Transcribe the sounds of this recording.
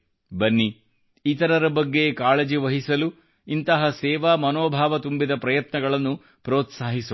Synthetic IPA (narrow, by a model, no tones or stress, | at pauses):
bɐnːiː | t̪ɐɾɐɾɐbɐɡːekaːled͡ʒiʋɐɦisɐlu | int̪ɐɦɐsɛːʋaːmɐnoːbʱaːʋɐt̪umbid̪ɐpɾɐjɐt̪nɐɡɐɭɐnːu | pɾoːt̪saːɦisu